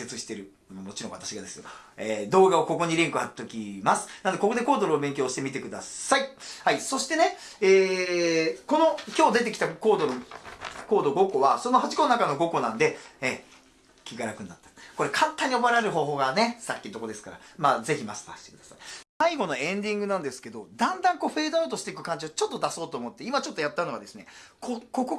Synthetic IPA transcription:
se̞t͡sɨɕi̥t̪e̞ɾɯ̟ | mamo̞t͡ɕiɾõ̞βa̰t̪aɕiɡad̪e̞sɨjoeːd̪o̞ːɡao̞ko̞ko̞ɲ̟iɾẽ̞ŋkɯ̟hat̪ːokʲimasɨ̥nand̪eko̞ko̞d̪e̞ko̞ːd̪oɾɯobẽ̞ŋkʲoːɕi̥t̪e̞mʲit̪e̞kɯ̟d̪a̰saihaiso̞ɕi̥t̪e̞ne̞ | eː | ko̞no̞kʲoːd̪e̞t̪̬e̞kʲi̥t̪ako̞ːd̪o | ko̞ːd̪o̞ɡo̞ko̞βaso̞no̞ɦat͡ɕi̥ko̞nnakano̞ɡo̞ko̞nãnd̪e̞e | kʲiɡaɾakɯ̟nːat̪ːḁko̞ɾekʰãt̪ːaɲ̟iobaɾaɾɯ̟ɦo̞ːɦo̞ːɡane̞sakʲːit̪o̞ko̞d̪e̞sɨ̥kaɾa̰maːze̞çimast̪a̰ːɕi̥t̪e̞kɯ̟d̪asai̥saiɡo̞no̞ẽ̞ɲd̪ʲĩŋɡɯ̟nãnd̪esɨ̥ke̞d̪o̞d̪ãnd̪ãŋko̞ːɸe̞ːd̪oaɯt̪̬o̞ɕi̥t̪e̞ikɯ̟kãɲ̟d͡ʑiat͡ɕo̞t̪ːo̞d̪aso̞ːt̪o̞ːmo̞t̪ːe̞imat͡ɕot̪ːo̞jat̪ːanoa̰d̪e̞sɨne̞̰ | koko̞ko

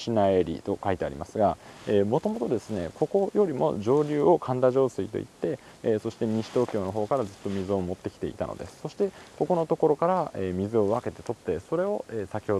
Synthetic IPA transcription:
ɕinae̞ɾʲḭt̪o̞kait̪e̞aɾʲimasɨɡaeːmo̞t̪o̞mo̞t̪o̞d̪e̞sɨne̞̰ko̞ko̞jo̞ɾʲimo̞̰ʑo̞ːɾʲɨːo̞kʰãnd̪aʑo̞ːsɨit̪o̞̰ḭt̪ːe̞ | so̞ɕi̥t̪e̞ɲ̟ĩɕi̥t̪o̞ːkʲo̞ːno̞ɦo̞ːkaɾazɨt̪ːo̞mʲizɨo̞mo̞t̪ːe̞kʲt̪e̞ḭt̪ano̞̰d̪e̞̰sɨ̥so̞ɕi̥t̪e̞ko̞ko̞no̞t̪o̞ko̞ɾo̞kaɾaeːmʲizɨo̞β̞ake̞t̪e̞̥t̪o̞t̪ːe̞so̞ɾe̞o̞eːsakʲiho

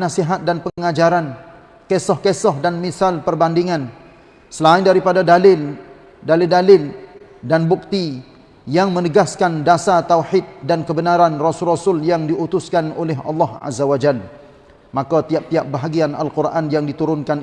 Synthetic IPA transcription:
nasiɦat̪̚danpəŋad͡ʒaɾan | kesɔhkesɔhdanmisalpərbandiŋãn | səlaɪndaɾipadadalɪl | dalɪldalɪldanbuk̚t̪i | jaŋmənəɡaskandasat̪awħɪt̪̚dankəbənaɾanrɔsʊrɔsʊljaŋdiut̪ʊskanolɛɦɑ̰lˠːɑha̰zːawad͡ʒal | makat̪iap̚t̪iap̚baɦaɡiana̰lkurʔanjaŋdit̪uɾʊnkan

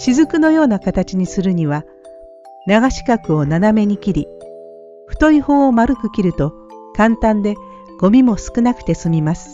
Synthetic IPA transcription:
ɕizɨkɯ̟no̞jo̞ːnakat̪at͡ɕiɲ̟isɨɾɯ̟ɲ̟iβa | naɡaɕi̥kakɯ̟o̞naname̞ɲ̟ikʲiɾʲi | ɸɯ̟̥t̪o̞iho̞ːomaɾɯkɯ̟kʲiɾɯ̟t̪o̞ | kãnt̪ãnd̪e̞ | ɡ̥o̞mʲimo̞sɨ̥kɯ̟nakɯ̟̥t̪e̞sɨmʲimasɨ̥

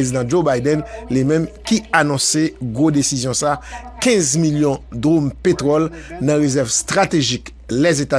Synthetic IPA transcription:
ezid̪ɑ̃d͡ʒobajdɛnlimɛ̃mkianɔ̃seɡod̪esizjɔ̃sakɛ̃zmiljɔ̃d̪ʁompet̪ʁɔlnãʁezɛʁvst̪ʁat̪eʒik | lɛzet̪a

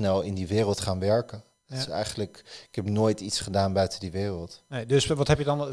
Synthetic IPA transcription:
nɛlˠɪndiʋɪːrəlˠtχaːnʋɛɹkən | tɪ̥sɛ̰jχənələkɪkɛpnoːjtitsχədaːnbœɥtədiʋɪːrəlˠtedəsʋɑtɦɛpjədɑn

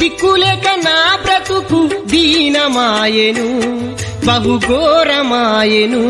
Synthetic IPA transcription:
bikːulɛːkɐnaːbɾɐt̪ukud̪iːnɐmaːjenu | bɐɦuɡoːɾɐmaːjenu

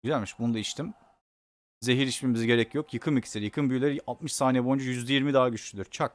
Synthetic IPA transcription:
yzælʲmiʃbunud̪aiʃt̪im | ze̞ɦiɾiʃpimiziɟe̞ɾɛcjo̞kʰjɯkʰɯmicʰi̥siɾijɯkʰɯnbyjlʲeɾialˠt̪̚mɯʃsaːnijɛbojund͡ʒajyzd̪ɛjiɾmid̪aːɟyʃlʲyd̪yɾ̥t͡ʃʰak

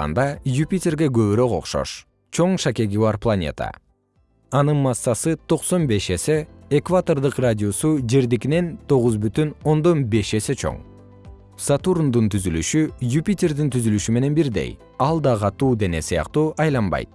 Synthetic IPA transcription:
ɑ̰nd̪ɑjupʲitʲe̞rɡe̞ɡø̞βyɾøqo̞̰qʃo̞̰ʃ | t͡ʃʰo̞ɴʃake̞ɡiβɑɾplˠanʲe̞̰t̪ə̰ | ɑnɯnmɑsːɑsɯt̪ʰo̞qso̞nbe̞ʃe̞se̞ːkvat̪o̞rd̪ɯqradʲio̞sud͡ʒe̞ɾd̪ikine̞nt̪ʰo̞ʁuzbyt̪yno̞nd̪o̞nbe̞ʃe̞se̞t͡ʃʰo̰ŋ | sat̪uɾund̪unt̪yzylyʃyjupʲitʲe̞rd̪int̪yzylyʃyme̞ne̞nbiɾd̪e̞̰j | ɑlˠd̪ɑqʰɑt̪uːd̪e̞ne̞sɨjɑ̰qt̪uːʔɑjlˠɑmbɑ̰jt̪̚

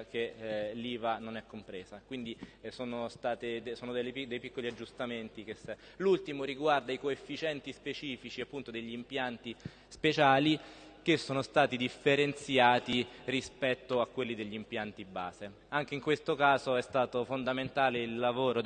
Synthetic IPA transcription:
keliːvanonɛkːompɾeːzakwind̪isoːnost̪aːt̪ed̪soːnod̪elːepid̪ejpikːoliad͡ʒːust̪ament̪ikesɛ | lult̪imoɾiɡward̪aikoefːit͡ʃɛnt̪ispet͡ʃiːfit͡ʃiapːunt̪od̪eʎːiːmpjant̪i | spet͡ʃaːli | k̟esːoːnost̪aːt̪id̪ifːeɾent̪sjaːt̪irispɛt̪ːoakːwelːid̪eʎːimpjant̪iba̰ːze | aŋk̟eiŋkwest̪okaːzoɛst̪aːt̪ofond̪ament̪aːleilːavoːɾo

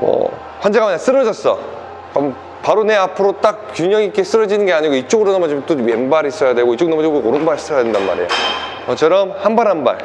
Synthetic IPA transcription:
mʌ̰ | ɸwʌnd͡ʑe̞ɡamaɲas͈ɯɾʌd͡ʑʌs͈ʌ | am | paɾone̞apʰɯɾot͈ak̚kjuɲʌŋik͈e̞s͈ɯɾʌd͡ʑinɯnɡe̞aɲiɡoit͡ɕ͈oɡɯɾonʌmʌd͡ʑimt͈omjenbaɾis͈ʌjadwe̞ɡoit͡ɕ͈oɡknʌmʌd͡ʑiooɾɯnbaɾis͈ʌjadendanma̰ɾḛjo̰kʌt͡ɕʰʌɾʌmhanbaɾɦanba̰ɾ

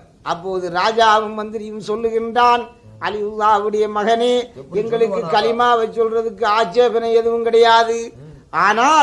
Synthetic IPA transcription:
ʔɐpːoːðɯɾaːd͡ʒaːʋɯmmɐnd̪ɪɾɪjɯmsɔlːɯɣɪndraːn | ʔɐlɪjɯlːaːʋɯɽɐjɐmɐɣɐniɛŋɡɐɭɯkːɯkːɐlɪmaːʋɐɪt͡ʃːɔlrɐðɯkːɯaːt͡ʃːeːpɐnɐɛðɯʋɯmkɪɽɐjaːðɯ | ʔaːnaː

